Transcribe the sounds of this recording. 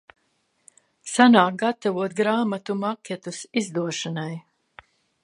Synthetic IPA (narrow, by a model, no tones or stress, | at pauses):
sanaːk̚ɡat̪avuɔt̪ɡɾaːmat̪umakʲɛt̪usizd̪uɔʃanaj